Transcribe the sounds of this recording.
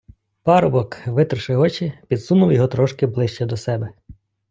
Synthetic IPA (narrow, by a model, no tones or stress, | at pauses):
pɑɾʊbɔkʋɪt̪rʃɪɔt͡ʃipʲid̪sunʊwjɔɦɔt̪ɾɔʃkɪblˠɪʃt͡ʃɛd̪ɔsɛbɛ